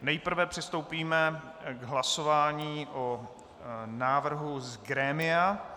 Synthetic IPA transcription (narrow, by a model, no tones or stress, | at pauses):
nɛjpr̩vɛpr̥ɪst̪owpiːmɛ | ɡɦlaso̞vaːɲiːʔo | naːvr̩ɦuzɡɾɛːmɪa